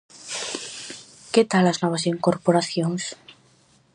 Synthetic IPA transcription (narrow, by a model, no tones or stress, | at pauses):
ket̪alaznoβ̞asiŋkoɾpoɾaθjoŋs